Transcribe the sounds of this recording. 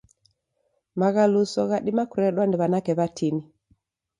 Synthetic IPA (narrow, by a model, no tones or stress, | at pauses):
maɣalusɔɣaɗimakuɾɛɗwandiβanakɛβatʰini